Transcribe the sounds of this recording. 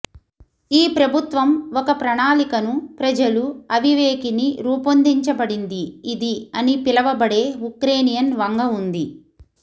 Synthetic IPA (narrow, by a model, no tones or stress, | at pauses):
iːpɾɐbʱut̪ʋɐmɔkɐpɾɐɳaːlikɐnupɾɐd͡ʒɐluɐʋiʋeːkiniɾuːpond̪iɲt͡ʃɐbɐɽind̪iːd̪iɐnipilɐʋɐbɐɽe̞ːukɾe̞ːnijɐnʋɐŋɡɐund̪i